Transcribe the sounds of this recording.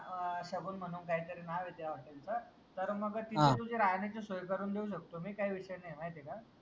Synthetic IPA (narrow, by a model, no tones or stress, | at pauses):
ɕəɡuːnm̤əɽ̃uːnkaɦiːt̪əɾenaʋid̪jaʋəʈ̪ant͡sə | t̪əɾməɡt̪it̪ʰẽt̪ud͡ʑeɾajnat͡ɕesojkəɾuːnd̪euɕ̬ək̚t̪omiːkaɦiːʋiɕəjnem̤aɦet̪ika